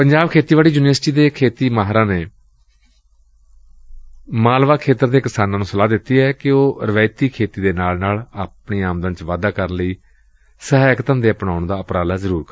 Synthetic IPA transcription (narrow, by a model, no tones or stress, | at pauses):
pəɲd͡ʒaːbkʰeːt̪iːʋaːliːd͡ʒʊneːsʈiːd̪eːkʰeːt̪iːmaːɦɾãːneː | maːlʋaːkʰeːt̪əɾd̪eːkɪsaːnãːnũːsəlaːd̪ɪt̪ːiːɛːkɪoːɾəʋɛːɪt̪iːkʰeːt̪iːd̪eːnaːlnaːlaːpɳiːaːmd̪ə̃nt͡ʃʋaːd̪aːkəɾənləiː | səɦkt̪ə̃ːnd̪eːəpɳaːʊɳd̪aːəpɾaːlaːzəɾuːɾk